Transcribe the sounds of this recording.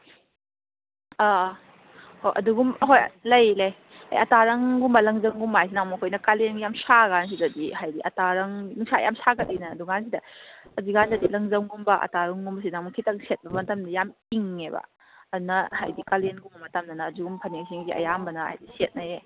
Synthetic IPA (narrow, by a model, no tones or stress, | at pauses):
a | hojʔɐ̰duɡumɦoj̰lɐjlɐj | a̰jɐtaɾɐŋɡumbɐlɐŋzɐŋɡumbajs̬inaŋmɐkʰojnɐkalenɡjamsaɡans̬izadiɦajdiʔɐ̰taɾɐŋnuŋsʰa̰jamsakɐt̚inɐːduɡansidɐɐdiɡanzɐdilɐŋzɐmɡumbɐʔa̰taɾɐŋɡumbɐs̬inaŋmukʰitɐŋset̚bɐbɐtɐmdijamiŋebɐ̰ | ɐdunɐha̰jdikalenɡumbɐmɐtɐmnɐnɐːduɡumpʰɐneŋs̬iŋsiʔɐ̰jambɐnaa̰jdiset̚naje